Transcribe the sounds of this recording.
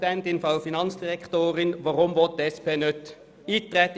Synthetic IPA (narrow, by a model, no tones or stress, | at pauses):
ɛnt̪ɪnfɑʊfɪnɑnsd̪ɪʁɛkt̪oːɾənʋɑʁɔmʋɔt̪ːɛspeːnœt̪ː | it̪ʰːʁɛt̪